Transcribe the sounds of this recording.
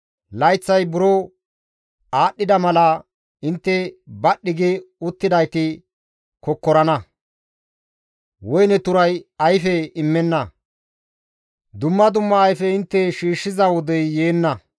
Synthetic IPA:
lɐjt͡sːɐjbʊɾo | aːɗːɪd̪ɐmɐlɐ | ɪnt̪ːɛbɐɗːɪɡɪʊt̪ːɪd̪ɐjt̪ɪ | kɔkːɔɾɐnɐ | wɔjnɛt̪ʊɾɐjɐjfɛɪmːɛnːɐ | d̪ʊmːɐd̪ʊmːɐːjfɛɪnt̪ːɛʃiːʃːɪzɐwɔd̪ɛjːeːnːɐ

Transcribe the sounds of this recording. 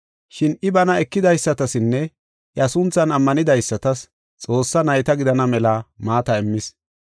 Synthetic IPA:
ʃɪnɪbɐnɐɛkːɪd̪ɐjsːɐt̪ɐsɪnːɛ | ʔjɐsʊnt͡sːɐnɐmːɐnɪd̪ɐjsːɐt̪ɐs | t͡sʼo̞ːsːɐnɐjt̪ɐɡɪd̪ɐnɐmɛlɐmaːt̪ɐɪmːɪs

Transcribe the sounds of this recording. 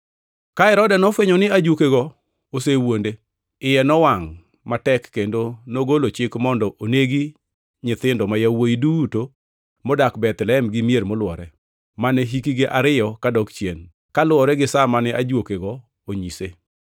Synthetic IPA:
kaɛɾɔdɛnɔfweɲɔnɪad͡ʒwokeɡɔ | osewonde | ɪjɛnɔwaŋ | matɛkːendonoɡolot͡ʃɪkmɔndɔʔoneɡi | ɲɪt̪ɪndɔmajawoiduto | mɔdakbɛt̪lɛɛmɡɪmieɾmolwɔɾɛ | manɛɦikiɡeʔaɾɪjɔkadɔkt͡ʃjen | kalwɔɾɛɡɪsamanɛʔad͡ʒwokeɡɔ | oɲise

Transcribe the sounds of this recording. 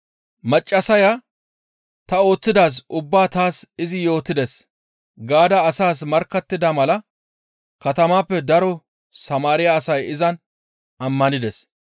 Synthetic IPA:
mɐt͡ʃʼːɐsɐja | t̪ɐo̞ːt͡sːɪd̪aːs̬ʊbːaːt̪aːsɪzɪjo̞ːt̪ːɪd̪ɛs | ɡaːd̪ɐːsaːsmɐɾkːɐt̪ːɪd̪ɐmɐlɐ | kɐt̪ɐmaːpːɛd̪ɐɾɔ | sɐmaːɾɪjaːsɐjɪzɐn | ɐmːɐnɪd̪ɛs

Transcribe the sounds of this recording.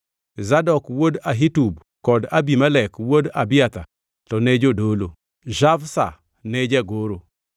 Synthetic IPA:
zadɔkwodaɦitub | kɔdabimalɛkwodabɪat̪a | tɔned͡ʒodolo | ʒavsa̰ | ned͡ʒɛɡoɾo

